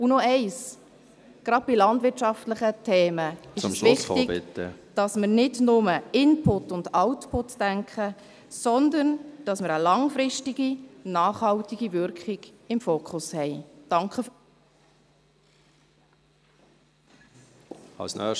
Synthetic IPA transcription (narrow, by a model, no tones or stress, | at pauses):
ʊnɔɛɪs | ɡ̥ɾɑd̥̚bilɑndvʋɪɾtt͡ʃɑftləχətʰeːməɪʃvɪχtɪɡbɪt̪ːə̰d̥ɑsməɾnɪdnʊməɪnpʰʊtːʊndawtpʰʊtːd̥æŋkʰχə | sɔndənd̥ɑsməɾəlɑŋfɾɪʃtiɡinɑːχhɑltɪɡ̥ivʏɾkχɪɡ̥ɪmfoːkʰχʊshɛɪd̥ɑŋkʰə | ɑ̰lsnœ̰ː